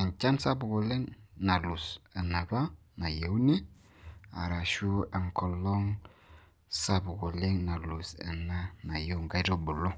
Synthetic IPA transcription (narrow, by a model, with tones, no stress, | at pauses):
a˨ɲt͡ʃa˦nsa˦bu˨ɡu˨le˦ŋna˨lu˨sə˨na˨ba˦na˨je˨˦wni˦ | a̰˨ɾa˨ʃu˦a˨ŋkɔ˨lɔ˦ŋ | sa˦bu˨ɡo˨le˦ŋna˨lu˨sə̰˨na˦na˨je˦wŋɡa˦ɾo˦bu˨lo˦